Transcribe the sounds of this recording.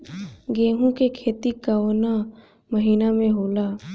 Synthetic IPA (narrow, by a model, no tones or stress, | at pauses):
ɡeːɦũkekʰeːt̪ikaoːna | məɦiːnamẽɦoːlaː